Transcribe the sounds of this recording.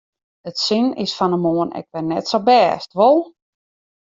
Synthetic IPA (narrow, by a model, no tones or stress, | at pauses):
ətsɪnɪ̰sfɔnəmoənɛ̰k̚ʋɛrnɛtsobɛːstʋolˠ